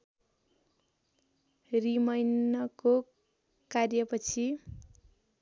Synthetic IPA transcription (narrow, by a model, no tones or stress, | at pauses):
rimʌjnʌko | karjʌpʌt͡sʰi